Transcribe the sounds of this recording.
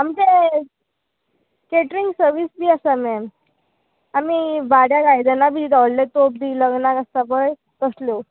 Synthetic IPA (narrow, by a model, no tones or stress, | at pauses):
amke | keʈɾiŋɡsəɾʋiːsbiːasamɛm | amibaɽjaɡajd̪ənabʱid̪awllet̪op̚d̪iːləɡnakast̪abəj | kəslo